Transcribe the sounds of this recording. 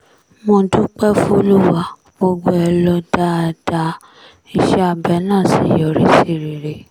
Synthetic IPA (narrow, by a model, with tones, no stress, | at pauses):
mõ˧˨du˦k͡pɛ˦fũ˦o˧lu˦wa˦ | ɡ͡bo˧ɡ͡bo˧˦ɛ˧lɔ˧da˦a˧˨da˧ | i˧ʃɛ˦a˧˨bɛ˨˦nãː˦˨sḭ˨˦jɔ˨ɾi˦se˦˨ɾi˨ɾe˨˦